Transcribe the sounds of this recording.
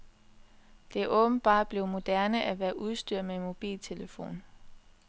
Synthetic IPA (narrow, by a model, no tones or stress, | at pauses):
d̥e̝æʔɔ̽ːb̥n̩b̥ɑ̰̈ːd̥̚b̥le̝ʊmo̝d̥æɐnəʔæʋæːɐʔuð̞ˠsd̥yɐ̰menmo̝b̥ḭːlt͡sʰe̝ləfo̝̰ːn